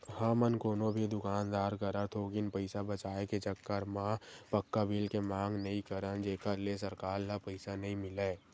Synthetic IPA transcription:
həmənkoːnõbʱid̪ʊkaːnd̪aːɾkəɾət̪ʰokɪnpəɪsabət͡ʃaːeket͡ʃəkːəɾmãpəkːabʱiːlkemãːŋɡnəɦĩkəɾənd͡ʒeːkəɾles̬əɾkaːɾlapəɪsanɐɦĩmɪleː

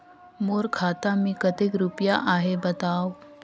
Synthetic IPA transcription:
moɾkʰaːt̪amiːkət̪ekɾupjaʔaɦebət̪aːw

